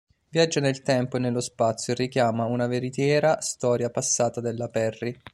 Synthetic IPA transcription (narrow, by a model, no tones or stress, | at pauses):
vjad͡ʒːanelt̪ɛmpoenːelːospat̪sjoerːikjaːmaunaveɾit̪jɛːɾast̪ɔːɾjapasːaːt̪ad̪elːapɛrːi